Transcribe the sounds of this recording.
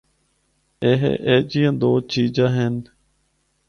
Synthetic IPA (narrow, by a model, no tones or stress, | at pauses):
eːɦḛʔeːd͡ʒiːãːd̪oːt͡ʃiːd͡ʒãːɦeːn